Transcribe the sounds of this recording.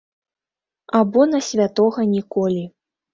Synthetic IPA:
abɔnɐsʲvʲat̪ɔɣɐnʲikɔlʲi

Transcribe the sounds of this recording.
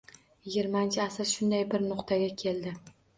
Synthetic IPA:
jɪɡʲɪɾmaɪnt͡ʃʰɪasasʃʊnd̪ajbɪɾnʊqt̪ʰaɡʲakʲʰe̞ld̪ɪ

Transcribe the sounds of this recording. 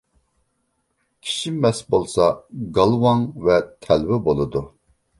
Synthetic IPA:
kʲʰi̥ʃiːɛsbolˠsɑɡɑlˠvɑŋvɛt̪ʰɛlwɛbolˠɨd̪u

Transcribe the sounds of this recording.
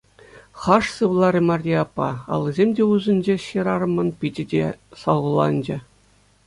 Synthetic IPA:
χɑʂsɯʋlˠɑɾʲimɑrʲiɑpːɑ̰ɑ̰lˠːɤzʲemʲdʲeuzɘ̆nʲd͡ʑeɕeɾɑɾɤ̆mɤ̆npʲid͡ʑʲɘ̆dʲḛsɑlˠʁɤlˠɑ̰nʲd͡ʑɘ̆

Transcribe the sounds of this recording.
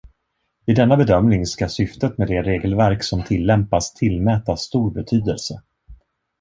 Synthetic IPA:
ɪd̪ɛnːabɛd̪œmnɪŋskasʏft̪ət̪meːd̪ɛɾeːɡəlvæɾksɔmt̪ʰɪlːɛmpast̪ʰɪlmɛːt̪asːt̪uːɾbɛt̪ʰyːd̪əlsə

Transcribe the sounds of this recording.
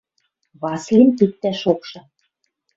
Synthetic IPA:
βɑslimt̪ik̚t̪ːæʃokʃɤ̆

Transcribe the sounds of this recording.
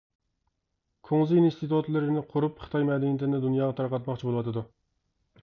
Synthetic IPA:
kʰoŋzɨinst̪ɨt̪ʰut̪lˠɨɾnɪqʰʊɾupχɨ̥t̪ʰɑjmɛd̪ɛnit̪ʰɪnɪd̪unjɑːʁɑt̪ʰɑɾqɑt̪mɑqt͡ʃʰibolˠɨwɑt̪ʰɨd̪u

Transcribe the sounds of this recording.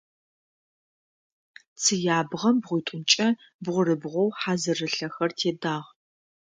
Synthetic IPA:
t͡sʰɨjaːbʁɐmbʁʷʊjtʷʼʊnt͡ʃʼɐ | bʁʷʊrɨbʁʷɔwħaːzɨrɨɬɐxɐrtʰeːdaːʁ

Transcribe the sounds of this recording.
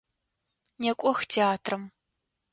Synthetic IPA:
nekʷʼɔxtʰeaːtʰrɨm

